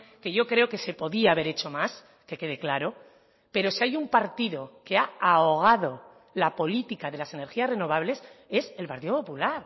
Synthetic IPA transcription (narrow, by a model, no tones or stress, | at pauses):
ke̞ʝo̞kɾe̞oke̞se̞po̞ðiaβ̞e̞ɾe̞t͡ʃo̞mas | ke̞ke̞ðe̞klaɾo̞ | pe̞ɾo̞siajumpaɾt̪iðo̞ke̞aao̞ɣ̞að̞o̞ | lapo̞lit̪ikaðe̞lase̞ne̞ɾxiasre̞no̞β̞aβle̞se̞se̞lpaɾt̪iðo̞populaɾ